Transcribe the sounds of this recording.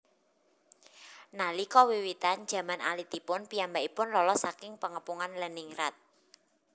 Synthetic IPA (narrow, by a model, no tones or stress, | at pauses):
nalikɔwiwit̪an̥ʒ̥ä̤mana̰lit̪ipʊnpiambaʔipʊnlɔlɔsakɪŋpəŋəpuŋanləniŋɾat̪̚